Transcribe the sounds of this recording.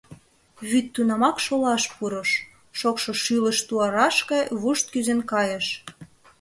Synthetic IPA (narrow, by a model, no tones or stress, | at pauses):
βyt̪ːunɑmɑkʃolɑʃpuɾəʃ | ʃokʃoʃyləʃt̪uɑɾɑʃkɑjβuʃt̪̚kyzenkɑjəʃ